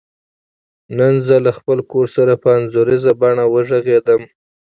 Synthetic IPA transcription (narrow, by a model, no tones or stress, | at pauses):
nanzəlaxpəlkoɾsaɾapəanzoɾizabɑɳawəʒəɣed̪əm